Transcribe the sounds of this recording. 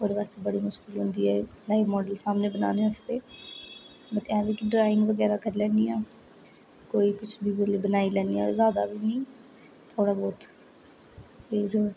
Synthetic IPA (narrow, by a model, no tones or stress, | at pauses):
oːɾeʋaːst̪eːbəɽiːmʊʃkɪlɦʊ̃nd̪iːɦɛːlaːiʋmɔːɖəlsaːmneːbəna̰ːneːast̪eː | bət̪ɛ̃ːbiːkiɖɾaːɪ̃ŋɡʋəɡɛːɾaːkəɾlɛ̃ːnd̪iːãː | koːiːkʊt͡ʃʰbiːbəleːbənaːilɛ̃ːnd̪iːɛzjaːd̪a̰ːbiːnĩː | t̪ʰoːɽaːbɔːt̪ | pʰɪɾ